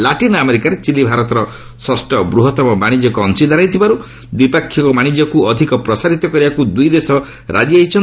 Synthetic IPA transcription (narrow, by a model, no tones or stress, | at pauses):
laʈinameɾikaɾet͡ʃilibʱaɾɔt̪ɔɾɔ | sɔsʈɔbɾuɦɔt̪ɔmɔmaɽ̃id͡ʒɔkɔːnsid̪aɾajt̪ʰibaɾu | d̪ipakʰːjɔkɔmaɽ̃id͡ʒɔkuɔd̪ʱikɔpɾɔsaɾit̪ɔkɔɾibakud̪ujd̪esɔ | ɾʔa̰d͡ʒiaɦit͡ʃʰɔn